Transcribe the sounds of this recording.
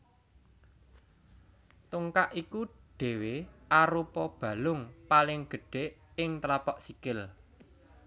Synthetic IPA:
t̪uŋkaʔikuɖ̥e̤weʔaɾupɔb̥ä̤lʊŋpalɪŋɡ̥ə̤ɖ̥e̤ʔɪŋt̪ɾapɔʔsikɪl

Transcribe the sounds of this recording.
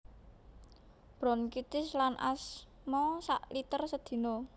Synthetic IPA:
b̥ɾɔ̤nkit̪ɪslanʔa̰s | mɔsa̰ʔlit̪ərsəd̪̥i̤no

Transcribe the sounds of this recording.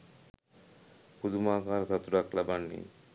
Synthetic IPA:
kud̪umakaɾzat̪ːuɾaklabanːḭ

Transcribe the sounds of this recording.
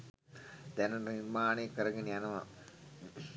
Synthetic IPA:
d̪ɛnɐniɾmaːneːkːəɾɐɡenianɐʋa

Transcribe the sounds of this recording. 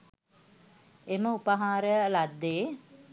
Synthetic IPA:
eməupəɦaːɾəlad̪ːeː

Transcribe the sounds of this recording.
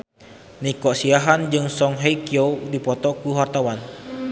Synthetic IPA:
nikɔʔsiaɦand͡ʒɨŋsɔŋɦeikiowdipɔt̪ɔkuɦart̪awan

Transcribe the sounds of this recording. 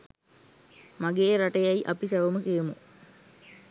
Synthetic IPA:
maɡeːɾaʈəjɐiʔɐpisaʋəməkijemu

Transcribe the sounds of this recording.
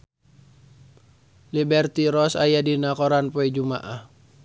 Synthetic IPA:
libɛrt̪iɾɔsajadinakɔɾanpɔid͡ʒumaʔah

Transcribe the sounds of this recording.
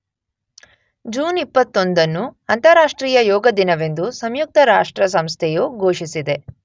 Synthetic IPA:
d͡ʒuːnipːɐt̪ːo̞nd̪ɐnːuɐnt̪ɐɾaːʂʈɾiːjɐjɔːɡɐd̪inɐʋe̞nd̪usɐmjuk̚t̪ʰɐɾaːʂʈɾɐs̬ɐmst̪ʰɛjoːɡʱoːʂisid̪e̞

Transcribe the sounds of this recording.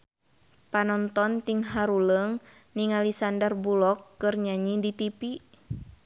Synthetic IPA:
panɔnt̪ɔnt̪iŋɦaɾuləŋniŋalisandərbulɔkːɨrɲaɲidit̪ipi

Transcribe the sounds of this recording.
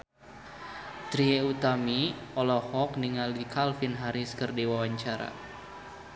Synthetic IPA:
t̪ɾieut̪amiɔlɔhɔk̚niŋalikʰalfinɦaɾiskɨrdiwawaɲt͡ʃaɾa̰

